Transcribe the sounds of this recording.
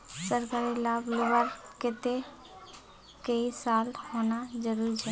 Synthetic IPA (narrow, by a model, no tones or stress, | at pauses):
səɾkaɾilabloʋəɾket̪e | kəisalɦonad͡ʒəɾuɾit͡ʃʰɛ